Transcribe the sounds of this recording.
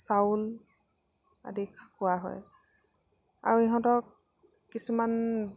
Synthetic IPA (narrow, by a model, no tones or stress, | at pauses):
saul | a̰dikʰakʊwaɦɔ̰j | a̰ɹueɦɔ̃tɔɹ | kisuman